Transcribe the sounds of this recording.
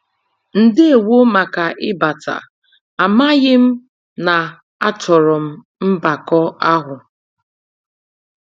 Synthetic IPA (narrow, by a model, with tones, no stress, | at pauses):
n̩˨dɪ˦e˨wo˦ma˨ka˨ʔɪ˦ba˨tʰa̰˨ | a˨ma˦ɣɪ˦m̩˦ | na˨ | a˦tɔ˨ɾɔ˨m̩˦ | m̩˦ba˨kɔ˦a˦ɦʊ˨